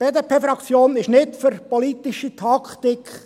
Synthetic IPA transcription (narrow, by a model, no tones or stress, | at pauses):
b̥eːdeːpʰeːfɾɑkt͡sjoːnɪʃnɪtfʏɾpɔlit̪ɪʃit̪ʰɑkt̪ikχ